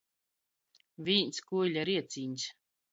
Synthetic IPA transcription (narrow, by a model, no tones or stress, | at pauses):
vʲiːnskuːlʲaɾiɛt̪sʲiːɲʲs